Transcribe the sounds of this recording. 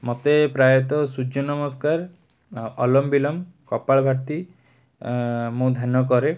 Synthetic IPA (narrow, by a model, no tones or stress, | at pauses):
mɔt̪epɾajɔt̪ɔsud͡ʒɔnɔmɔskaɾ | ɔlɔmbilɔmkɔpaɭbʱaɾt̪i | mũd̪ʱanɔkɔɾe